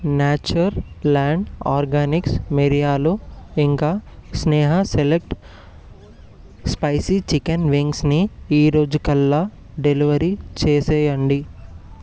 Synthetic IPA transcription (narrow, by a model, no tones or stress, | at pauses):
naːt͡ʃuɾɐɾlaːɳɖaːɾɡaːniksmeɾijaːloːiŋkaːsnɛːɦɐselek̚ʈ | spɐjsit͡ʃikɐnʋiŋɡsniiːɾo̞ːd͡ʒukɐlːaː | ɖeliʋɐɾit͡ʃeːsɛːjɐɳɖi